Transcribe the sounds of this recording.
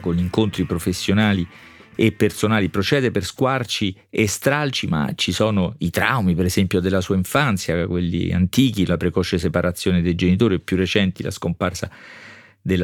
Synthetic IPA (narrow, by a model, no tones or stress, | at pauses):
konʎiŋkont̪ɾipɾofesːjonaːliepːersonaːlipɾot͡ʃɛːd̪eperskwart͡ʃiest̪ɾalt͡ʃima̰t͡ʃisɔːnoit̪ɾa̰wmipeɾezɛmpjod̪elːasuːaiɱfant̪sjakwelːḭa̰nt̪iːk̟ilapɾekɔːt͡ʃesepaɾat̪sːjoːned̪ejd͡ʒenit̪oːɾiepːjurːet͡ʃɛnt̪ilʔa̰skomparsa̰ | d̪el